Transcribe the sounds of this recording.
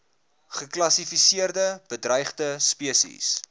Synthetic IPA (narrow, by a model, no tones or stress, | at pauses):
χəklɐsifisiərdəb̥ədrɐjχdəspiəsḭs